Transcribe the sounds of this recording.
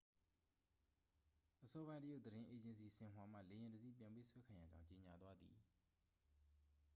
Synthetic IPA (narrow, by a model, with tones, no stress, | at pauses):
ʔəsɔ˦bã˦ɪ̃ntəjo˦˨d̪əɾɪ̃˦ʔe˨d͡ʑɪ̃˨nsi˨sɪ̃˨mwa˨m̥ä̰˦˨le˨jɪ̃˨ndəd̪ḭ˦˨pjã˨mpḛ˦sʰwɛ˦kʰã˨ja̰˦˨d͡ʑã˦ʊ̃ɲt͡ɕe˨ɲa˨t̪wa˦d̪ḭ˨